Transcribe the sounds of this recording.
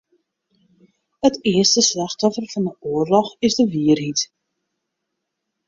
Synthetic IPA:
ətɪəstəslɑxtɔfərfɑndəʔuːərlɔχɪzdəʋiərɦit

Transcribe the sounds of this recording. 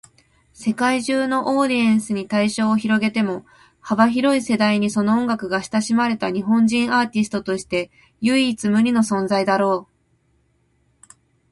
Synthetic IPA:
se̞kaiʑɨːno̞ʔoːɾʲiẽɰ̃sɨɲ̟it̪aiɕo̞ːçiɾo̞ɡe̞t̪e̞mo̞ | habaçiɾo̞ise̞d̪aiɲ̟iso̞no̞õŋɡakɯ̟ɡaɕi̥t̪aɕimaɾe̞t̪aɲ̟iɦõ̞ɲd͡ʑĩɰ̃aːt̪ʲisɨ̥t̪o̞t̪o̞ɕi̥t̪e̞ | jɯ̟it͡sɨmɯ̟ɾʲino̞sõ̞nzaid̪aɾo̞ː

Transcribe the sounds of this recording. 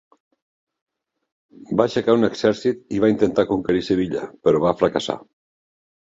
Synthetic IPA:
baʃakauneksɛɾsit̪iβaint̪ent̪akuŋkeɾiseβ̞iʎa̰peɾoβafɾakasa̰

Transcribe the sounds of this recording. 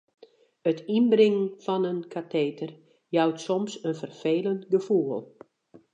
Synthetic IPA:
ətinbrɪŋənfɔnənkʰatʰeːtər | jawtsɔmsənfərfeːləntɡəfuəlˠ

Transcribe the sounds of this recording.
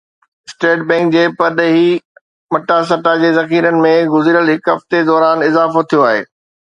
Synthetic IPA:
sʈeːʈ̚bɛ̃ːŋk̚d͡ʑeːpɐɗɦi | mɐʈas̬ɐʈad͡ʑeːzɐxiːɾənɪ̆mẽɡʊziɾəlɦɪkɦɐft̪ed̪ɔːɾaːnɪzaːfot̪ʰijoaːɦḛː

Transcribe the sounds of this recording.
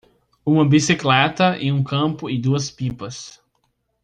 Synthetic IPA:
ũmɐbisiklɛt̪ɐẽj̃ũkɐ̃pʊɪd̪uɐspipɐs

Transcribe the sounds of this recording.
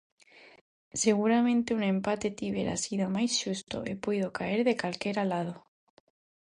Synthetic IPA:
se̞ɣ̞uɾamẽnt̪eunẽ̞mpat̪et̪iβeɾa̰siðomajsʃust̪o̰ʔepoiðokaeɾðe̞kalke̞ɾalað̞o

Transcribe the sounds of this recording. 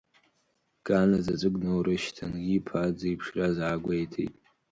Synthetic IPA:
ɡ̥ʼanazazʷʼɨɡnowɾɨʃtʰa̰nɡipʰad͡zijpʰʂrazaːɡʷejtʰḛtʼ

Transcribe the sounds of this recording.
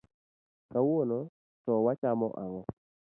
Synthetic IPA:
kawono | tɔwat͡ʃamɔ̰ʔaŋɔ

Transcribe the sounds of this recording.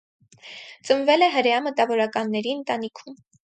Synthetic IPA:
t͡sənvɛlɛɦəɾjɑmət̪ɑvɔɾɑkɑnːɛɾiənt̪ɑnikʰum

